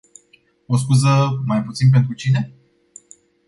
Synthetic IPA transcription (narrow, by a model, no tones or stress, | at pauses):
os̬kuzəmajput̪sinp̬ent̪ɾut͡ʃine̞